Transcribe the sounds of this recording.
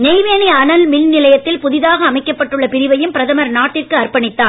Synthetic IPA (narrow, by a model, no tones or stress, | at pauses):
nɛɪʋeːniɐnɐlmɪlnɪlɐjɐt̪ːɪlpʊðɪðaːɣɐːmɐɪkːɐpːɐʈːɯɭːɐpɪɾɪʋɐjɯmpɪɾɐðɐmɐɾnaːʈːɪrkɯɐɾpɐɳɪt̪ːaːn